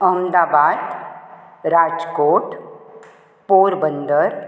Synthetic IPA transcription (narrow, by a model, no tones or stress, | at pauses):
əɦmd̪aːbaːd̪ | ɾaːd͡ʒkoːʈ | puːɾbə̃nd̪əɾ